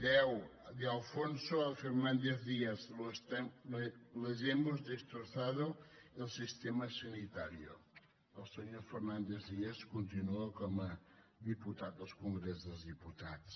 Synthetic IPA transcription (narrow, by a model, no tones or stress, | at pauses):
dɛwd̪alˠfõnsʊɐfeɾnɐ̃nd̪ezðiɐzloʃt̪ɛlleʒemʊzðiʃt̪ɾosaðʊelˠsiʃt̪emɐsɐnit̪aɾjo̰ | ɐlˠseɲoɾfeɾnɐ̃nd̪ezðiɐskõnt̪inuɐkomɐ | ðiput̪aðɐskõŋɡɾesðelzðiput̪aðʊʃ